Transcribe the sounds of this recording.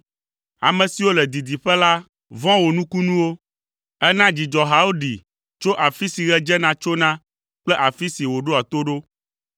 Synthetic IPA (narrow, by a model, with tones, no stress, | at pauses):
a̰˨mɛ̃˨si˨wo˦lɛ˨d̪i˨d̪i˨ɸɛ˦la˦ | vɔ̃˦wo˨nũ˦ku˦nũ˦wo˦ | ɛ˦nã˦d͡ʑi˨d͡ʒɔ˨ɦa˨o˦ɖi˨ | t͡ʃo˦ʔa˨fi˦si˨ɣɛ˦d͡ʒɛ˦nã˦t͡ʃo˦nã˦ | k͡plɛ˦ʔa˨fi˦si˨wo˨ɖo˦a˨t̪o˦ɖo˦